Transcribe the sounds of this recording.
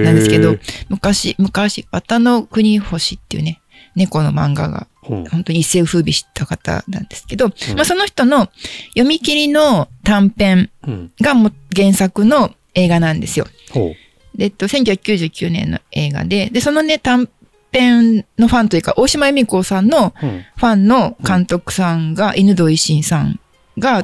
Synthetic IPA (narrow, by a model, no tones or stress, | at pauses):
nãnd̪esɨ̥ked̪o̞mɯ̟kaɕimɯ̟kaɕiβat̪ano̞kɯ̟ɲ̟iho̞ɕit̪ːejɯ̟̰ne̞ | ne̞ko̞no̞̰mã̰ŋɡa̰ɡa̰ | ho̞nt̪o̞ɲ̟iise̞ːɸɯ̟ːbʲiɕi̥t̪akat̪a̰nã̰nd̪e̞sɨ̥ke̞d̪o̞maso̞no̞çʲi̥t̪o̞no̞jo̞mʲikʲiɾʲino̞t̪ãmpẽ̞ŋɡamoɡẽ̞ɰ̃sakɯ̟no̞ | e̞ːɡanãnd̪e̞sɨjo̰ | et̪ːo̞seŋkʲo̟çʲhakːʲjɨːʑɨːkʲɨːnẽ̞̰nːo̞̰e̞ːɡa̰d̪e̞d̪e̞so̞no̞ne̞t̪ãm | pẽ̞nno̞ɸãnt̪ojɯ̟ːkaʔo̞ːɕimajomʲiko̞ːsãnːo̞ɸãnːo̞kãnt̪o̞kɯ̟̥sãŋɡaʔenɯ̟d̪o̞iɕĩɰ̃sã̰ŋ | ɡa